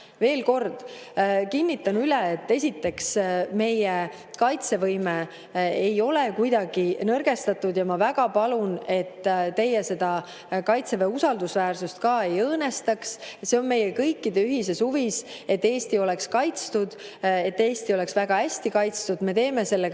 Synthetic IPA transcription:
ve̞ːlko̞rd̪̥kinʲːit̪ːˑɑnyleet̪ːe̞sʲit̪ːe̞ksme̞je | kɑjt̪se̞vɤjme | ejo̞le̞kujd̪ɑɡ̥inɤrɡ̥e̞st̪ɑt̪ːˑud̪̥jɑmɑvæɡ̥ɑpɑlune̞t̪ːt̪e̞jese̞d̪̥ɑ | kɑjt̪se̞veusɑld̪usvæːrsust̪kɑːe̞jɤːnest̪ɑksse̞o̞nme̞jekɤjkːˑid̪e̞yɦis̬e̞suvis | e̞t̪ːe̞ːst̪io̞le̞kskɑjt̪st̪ud̪̥et̪ːe̞ːst̪io̞le̞ksvæɡ̥ɑæsʲt̪ikɑjt̪st̪ud̪me̞t̪e̞ːme̞se̞lːe

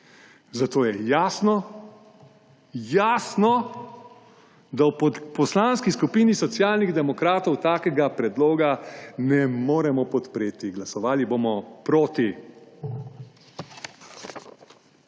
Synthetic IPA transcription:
zat̪oːjɛjaːsnɔ | jaːsnɔ | d̪awpɔslaːnskiskupiːnisɔt̪sjaːlniɣd̪ɛmɔkɾaːt̪ɔwt̪aːkɛɡapɾɛd̪loːɡanɛmoːɾɛmɔpɔt̪pɾeːt̪iɡlasɔʋaːlibomɔpɾoːt̪i

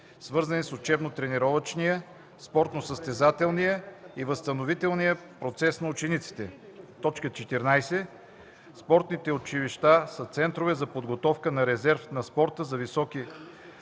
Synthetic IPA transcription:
svɤɾzɐnisot͡ʃɛbnot̪ɾɛnɛɾɔvət͡ʃnijə | spɔɾt̪nosəst̪ɛzat̪ɛlˠnijəivəst̪ənovit̪ɛlˠnijəpɾot̪sɛsnɐʊt͡ʃɛnit̪si̥t̪ɛ | t̪ɔt͡ʃkət͡ʃɛt̪ɛɾnajsɛ | spɔɾt̪nit̪ɛot͡ʃiviʃt̪asət̪sɛnt̪ɾovɛzɐpod̪ɡot̪ɔfkənɐɾɛzɛɾfnɐspɔɾt̪əzɐvisɔki

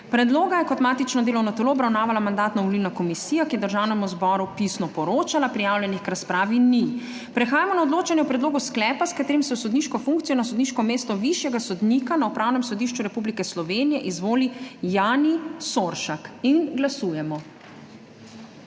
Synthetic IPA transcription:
pɾɛd̪loːɡajɛkɔt̪maːt̪it͡ʃnɔd̪eːlɔwnɔt̪ɛloɔbɾawnaːʋalamand̪aːt̪nɔʋɔlilnakɔmisiːjakijɛd̪əɾʒawnɛmuzbɔɾupisnɔpɔɾoːt͡ʃalapɾijaːwljɛnixkɾaspɾaːʋini | pɾɛxaːjamɔnaɔd̪loːt͡ʃanjɛpɾɛd̪loːɡusklɛːpaskat̪eːɾimsɛwsɔd̪niʃkɔfuŋkt̪sijɔnasɔd̪niʃkɔmeːst̪ɔʋiʃjɛɡasɔd̪nikanaupɾaːwnɛmsɔd̪iʃt͡ʃuɾɛpublikɛslɔʋenijɛʔizʋoːlijaːnisoɾʃakinɡlasuːjɛmɔ

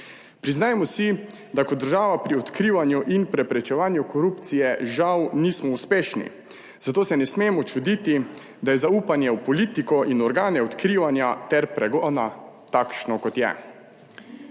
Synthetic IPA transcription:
pɾiznaːjmɔsi | d̪akɔt̪d̪əɾʒaːʋapɾiɔt̪kɾiːʋanjuʔinpɾɛpɾɛt͡ʃɛʋaːnjukɔɾupt̪sijɛʒawniːsmɔuspeːʃnḭ | zat̪oːsɛnɛsmeːmɔt͡ʃud̪it̪i | d̪ajɛzauːpanjɛwpɔliːt̪ikɔʔinɔɾɡaːnɛɔt̪kɾiʋanjat̪ɛɾpɾɛɡɔːna | t̪akʃnɔkɔt̪jɛ̰

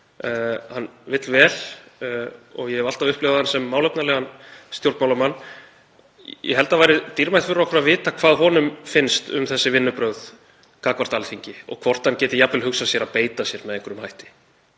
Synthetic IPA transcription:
hanːvɪt̪lvɛːl | ɔɣjɛɛval̥t̪avʏhplɪvahansɛmːaːwlœpnalɛɣanst̪jowlt̪mawlamanː | jɛ̰hɛlt̪avajɾɪt̪iɾmajt̪fʏɾaɔkɾʏɾaðvɪːt̪akʰv̥aːðɦɔːnʏmfɪnst̪ʏ̰mθɛsːɪvɪnːʏpɾœɣð | kaːkvaɾ̥t̪alθiɲcɪɔ̰ɣkʰvɔr̥t̪hancɛːt̪ɪjapvɪlhʏksasjɛɾaðpeːjt̪asjɛɾmɛðeŋkʰʏɾʏmhajht̪ɪ̥

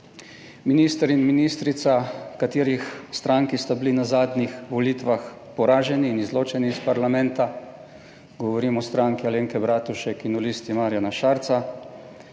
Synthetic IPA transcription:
minist̪ɛɾinminiːst̪ɾit̪sakat̪iːɾixst̪ɾaŋkist̪abilinazaːd̪nixʋɔliːt̪ʋax | pɔɾaːʒɛniːnizloːt͡ʃɛniːspaɾlamɛnt̪a | ɡɔʋɔɾiːmɔst̪ɾaŋkialeːŋkɛbɾaːt̪uʃɛkinulist̪imaːɾjanaʃaːɾt̪sa

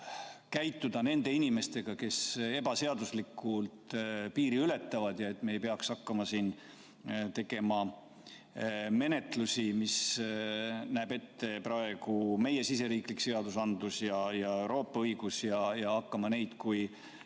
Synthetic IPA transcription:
kæjt̪ːˑud̪̥ɑne̞nd̪e̞inime̞st̪e̞ɡ̥ɑke̞se̞bɑse̞ɑd̪̥uslikːˑult̪piːɾiyle̞t̪ːˑɑvɑd̪̥jɑe̞t̪ːˑme̞ːejpeɑksɑkːɑmɑsiːn | t̪e̞ɡ̥e̞mɑ | me̞ne̞t̪ˑlusimis | næːb̥e̞t̪ːe̞prɑe̞ɡ̥ume̞je̞sise̞ɾiːklikse̞ɑd̪̥usɑnd̪̥usjɑjɑe̞wɾo̞ːpˑːɑɤjɡ̥usjɑjɑɑkːɑmɑne̞jd̪̥kuj

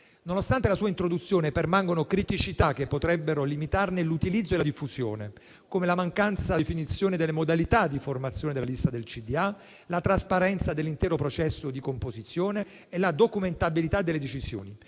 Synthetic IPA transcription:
nonost̪ant̪elasuːaint̪ɾod̪ut̪sːjoːnepermaŋɡonokɾit̪it͡ʃit̪ak̟ːepːot̪ɾɛbːeɾolimit̪arnelut̪ilid̪zoelad̪ifːuzjo̰ːne | komelamaŋkant̪safinit̪sːjoːned̪elːemod̪alit̪ad̪ːiformat̪sːjoːned̪elalist̪ad̪elt͡ʃid̪ia | lat̪ɾaspaɾɛnt̪sad̪elːint̪ɛːɾopɾot͡ʃɛsːod̪ikompozit̪sːjoːneː | lad̪okument̪abilit̪ad̪ːelːed̪et͡ʃizjo̰ːni

